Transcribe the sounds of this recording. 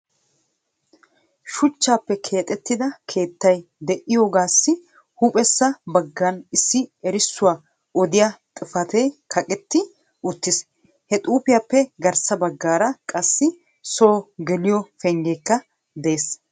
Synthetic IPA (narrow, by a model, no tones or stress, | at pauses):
ʃʊt͡ʃːaːpːɛkʰe̞ːt̪ʼɛt̪ːɪd̪ɐkʰe̞ːt̪ːɐjd̪ɛʔɪjoːɡaːsːɪ | hʊpʼɛsːɐbɐɡːɐnɪsːɪɛɾɪsːʊwaː | ɔd̪ɪjat̪ʼɪfɐt̪eːkʰɐkʼɛt̪ːɪ | ʔʊt̪ːɪs | hɛt̪ʼuːpɪjaːpːɛɡɐɾsɐbɐɡːaːɾɐkʼɐsːɪ | so̞ːɡɛlɪjɔfɛŋɡeːkːɐ | d̪eːs